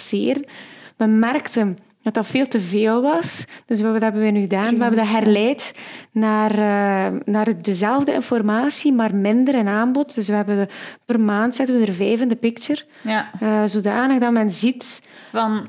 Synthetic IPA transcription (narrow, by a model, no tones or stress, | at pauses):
sɪːrənməmɛrktən | d̥ɑtɑtfeːlˠtəveːlˠʋɑsd̥ɵswəɑtɦɛbənʋənyɣədaːnʋəɦɛbəndɦɛrlɛːtnaːr | naːrdəzɛlˠvdəɪ̰nfɔrmaːsimaːrmɪndəɾənaːmbɔt̚d̥ɵsʋəɦɛbənpərmaːntsɛtənʋədərvɛːvəndəpɪkt͡ʃər | əzodaːnəɣdɑtmɛnzitvɑn